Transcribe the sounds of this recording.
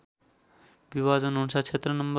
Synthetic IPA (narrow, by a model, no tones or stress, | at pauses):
bibad͡zʌnɦunt͡sʰʌt͡sʰet̪rʌnʌmb